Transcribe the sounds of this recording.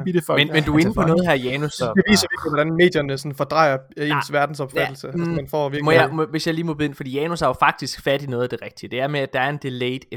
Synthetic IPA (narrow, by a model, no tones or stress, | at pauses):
dmenmend̥ue̝nəpʰɒ̽nɔ̽ːð̩ˠɦæɐ̰jɛːnusɒd̥e̝ʋḭːsɐʋiɐɡ̥liʋɒɾ̥ænme̝̰ːd̥jɐnəsɔ̽nfɒd̥ʁɑ̈ɪ̰ɐe̝ːnsʋæɐd̥n̩sɒ̽b̥fædl̩səsmænfɒ̰ʋiɐɡmɔjmʋe̝sjɑ̈ɪliːmɔbeðˠenfɒ̽d̥ḭːjɛːnusæɐofɑ̈ɡ̥̚d̥isɡ̥fæɾinɔ̽ːð̞̩ˠd̥e̝ʁɛɡ̥̚d̥iəd̥e̝æɐmeæd̥ɑ̈æɐe̝nd̥eleɪd̥